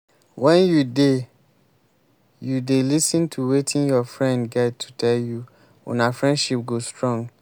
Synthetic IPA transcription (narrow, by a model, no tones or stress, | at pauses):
wɛ̃njude | judelisə̃ntʰuwetʰĩnjɔfɹɛ̃ndɡɛttʰːu̥tʰɛlju | ɔ̰̃nafɹɛ̃ndʃip̚ɡostɹɔ̃ŋɡ